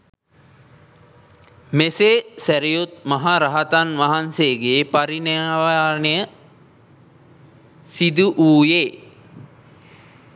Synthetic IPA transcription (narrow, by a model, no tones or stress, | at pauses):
mesesæɾijut̪̚maɦaɾaɦat̪anʋaɦanseɡeːpaɾineʋaːnejə | sid̪uʔuːjeː